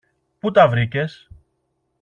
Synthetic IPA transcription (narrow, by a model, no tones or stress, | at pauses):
put̪ɐvɾice̞s